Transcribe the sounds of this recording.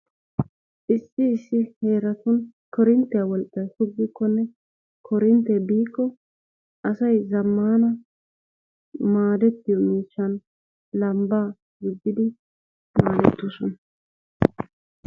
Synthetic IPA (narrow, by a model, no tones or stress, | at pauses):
ʔɪsːɪːsːɪhe̞ːɾɐt̪ʊnkɔɾɪnt̪ːɛjawɔlkʼːɐjhʊɡːɪkːɔnːɛ | kʰɔɾɪnt̪ːɛbiːkːɔ | ʔɐsɐjzɐmːaːnɐ | maːd̪ɛt̪ːɪjɔmiːʃːɐn | lɐmbaː | ɡɪɡːɪd̪ɪ | maːd̪ɛt̪ːʊsɔnɐ